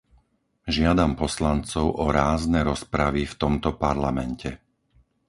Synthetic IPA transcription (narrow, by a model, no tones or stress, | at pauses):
ʒɪad̪ampɔslant͡sɔʊʔɔɾaːznɛɾɔspɾaʋift̪ɔmt̪ɔpaɾlamɛncɛ